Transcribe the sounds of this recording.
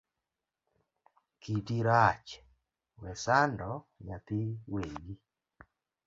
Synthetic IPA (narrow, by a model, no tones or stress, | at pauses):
kidiɾat͡ʃ | wɛsandɔ | jat̪ɪweɡi